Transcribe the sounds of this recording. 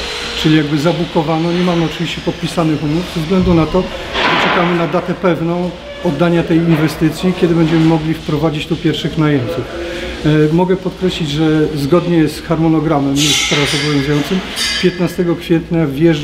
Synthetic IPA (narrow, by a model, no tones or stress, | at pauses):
t͡ʂɘlʲijaɡbɘzabukɔvanɔɲɛmamɘɔt͡ʂɘvʲiɕt͡ɕɛpɔt̪̚pʲisanɘxumuvzɛvzɡlɛnd̪unat̪ɔ | ʐ̥ɛt͡ʂɛkamɘnad̪at̪ɛpɛvnɔ̃w̃ | ɔd̪ːaɲat̪ɛjinvɛst̪ɘt̪sʲjikʲɛd̪ɘbɛɲd͡ʑɛmɘmɔɡlʲifpɾɔvad͡ʑit͡ɕt̪upʲjɛɾfʂɘxnajɛmʲt̪uf | mɔɡɛpɔt̪kɾɛɕlʲid͡ʑʐɛzɡɔd̪ɲɛsxaɾmɔnɔɡɾamɛmusspɾazɔbɔvjɔ̃zujɔnt̪sɘmpʲjɛt̪nast̪ɛɡɔkfʲjɛt̪ɲavʲjɛʐ